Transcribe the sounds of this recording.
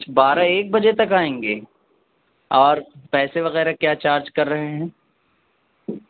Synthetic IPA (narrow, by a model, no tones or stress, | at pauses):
baːɾaeːk̚bɐd͡ʒet̪ɐkaːẽːŋɡeː | ɔːɾpɛːseʋɐɣɛːɾakjaːt͡ʃaːɾd͡ʒkɐɾːɐɦeɦɛ̃ː